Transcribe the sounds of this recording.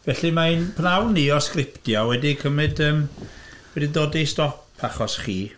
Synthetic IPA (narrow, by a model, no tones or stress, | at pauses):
vɛɬimaɨnpʰnawniɔskrɪptjawɛdikʰəmɨdəːmwɛdidoːdistɔpʰaχɔsχiː